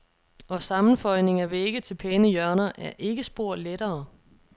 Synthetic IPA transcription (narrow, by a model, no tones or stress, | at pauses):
ɒ̽sɑ̈mn̩fɒ̽ɪne̝ŋɐʋeeɡ̥ət͡sʰe̝lpʰeːnəjɶɐnɐʔæɐʔe̝ɡ̥əsb̥o̝ɐ̰leɾ̥ɐː